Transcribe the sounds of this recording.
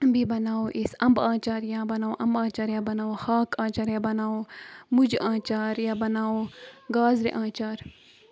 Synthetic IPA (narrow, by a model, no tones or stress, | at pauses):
bʱibɐnaːoːʔisɐmbãːt͡ʃaːɾjãːbɐnaːoːʔɐmbãːt͡ʃaːɾjaːbɐnaːoːhaːkãːt͡ʃaːɾjaːbɐnaːoːmud͡ʒãːt͡ʃaːɾjaːbɐnaːoːɡaːzɾḛʔãːt͡ʃaːɾ